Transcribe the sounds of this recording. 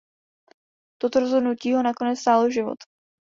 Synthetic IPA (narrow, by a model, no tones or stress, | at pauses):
t̪ot̪oɾozɦo̞dnuciːɦo̞nako̞nɛtt͡sst̪aːloʒɪvo̰t̪